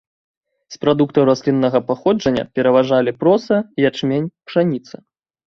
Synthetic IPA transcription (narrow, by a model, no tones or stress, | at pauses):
spɾad̪ukt̪ɐwɾasʲlʲinːɐɣɐpaxɔd͡ʐɐnʲːɐ̰pʲɛɾɐvaʐalʲipɾɔsɐijat͡ʂmʲenʲpʂanʲit̪sɐ